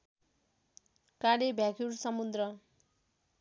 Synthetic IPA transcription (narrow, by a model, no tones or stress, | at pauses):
kaɽebʱjakʰuɾsʌmud̪rʌ